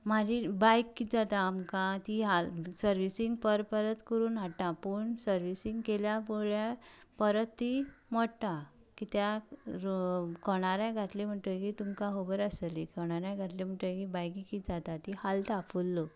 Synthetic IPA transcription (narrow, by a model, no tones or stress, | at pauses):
mad͡ʑibajkːid͡zat̪aːmkãt̪iɦalsəɾʋisiŋɡpəɾpəɾət̪kəɾuːnɦaʈ̪ãpəɳsəɾʋisiŋɡkeljapoɭjapəɾət̪ːimɔɽt̪a | kit̪ja | kʰɔɳ̃aɾjãɡʱat̪lem̤əʈ̪əkit̪umkãɦobəɾəsəlikʰɔɳ̃aɾjãɡʱat̪lem̤əʈ̪əkibajkikid͡zat̪at̪ihalʈafʰulːɔ